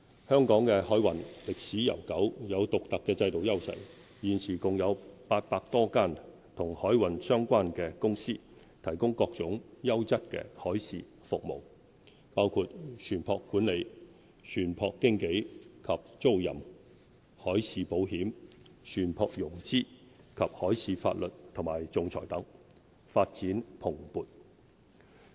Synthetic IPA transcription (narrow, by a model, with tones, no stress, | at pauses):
hœː˥ŋkɔː˨˥ŋkɛ˧hɔː˨˥jwɐ˨˩nlɪ˨k̚siː˨˥jɐ̰˨˩wkɐ˨˥wjɐ˨˧wt̪ʊ˨k̚t̪ɐ˨kːɛː˧t͡sɐ˧jt̪o˨wjɐ˥wsɐ̰˨˩j | jiː˨nsʰiː˨˩kʊ˨ŋjɐ˨˧wpaː˧t̚paː˧k̚t̪ɔː˥kaː˥˩n | t̪ʰʊ˨˩ŋhɔː˨˥jwɐ˨˩nsœː˥ŋkʷaː˥nkɛː˧kʊ˥ŋsiː˥ | t̪ʰɐ˨˩jkʊ˥ŋkɔː˧k̚t͡sʊ˨˥ŋjɐ˥wt͡sɐ˥t̚kɛ̰ː˧hɔː˨˥jsiː˨ | fʊ˨k̚mo̰˨˩w | paː˥wkʰuː˧t̚sʰyː˨˩npʰɔː˧kːuː˨˥nle˨˧j | sʰyː˨˩npʰɔː˧kːɪ˥ŋke˨˥jkʰɐ˨p̚t͡so˥wjɐ̰˨˩m | hɔː˨˥jsiː˨˧po˨˥wɦiː˨˥msʰyː˨˩npʰɔː˧k̚jʊ˨˩ŋt͡siː˥kʰɐ˨p̚hɔː˨˥jsiː˨˧fa̰ː˧t̚lɵ˨t̚t̪ʰʊ˨˩ŋmaː˨˩jt͡sʊ˨˧ŋt͡sʰɔ̰ː˨˩jt̪ɐ˨˥ŋ | faː˧t̚t͡siː˨˥npʰʊ˨˩ŋpuː˨˧t̚